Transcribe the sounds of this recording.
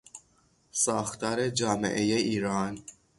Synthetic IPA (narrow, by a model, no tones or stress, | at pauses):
sɒːxt̪ʰɒːɾed͡ʒɒːmḛʔejeiːɾɒːn